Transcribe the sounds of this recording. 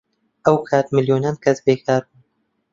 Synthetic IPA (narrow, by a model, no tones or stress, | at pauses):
ʔəwkʰaːt̪mɨljoːnaːnkʰɐsbeːkʰaːɾbun